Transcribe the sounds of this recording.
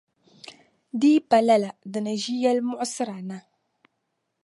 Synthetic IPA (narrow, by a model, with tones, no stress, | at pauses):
di˦pa˨la˦la˨dɨ˨nɨ˨ʒi˦ja˦lmʊ˦ʔsɨ˦ɾa˨na˦